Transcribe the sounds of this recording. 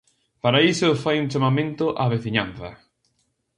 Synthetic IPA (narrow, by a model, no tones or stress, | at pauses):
paɾaisʊfajuŋt͡ʃamamẽnt̪ʊʔaβeθiɲãn̟θɐ̰